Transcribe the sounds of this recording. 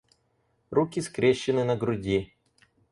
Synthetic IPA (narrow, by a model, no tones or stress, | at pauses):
rukʲiskɾʲeɕːɪnɨnɐɡɾʊdʲi